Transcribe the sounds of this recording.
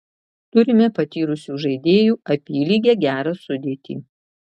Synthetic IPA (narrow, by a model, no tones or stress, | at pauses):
t̪ʊɾʲɪmʲɛpɐt̪ʲiːɾʊsʲuːʒɐɪd̪ʲeːjuːɐpʲiːlʲiːɡʲeːɡʲæːɾɐsʊd̪ʲeːt̪ʲḭː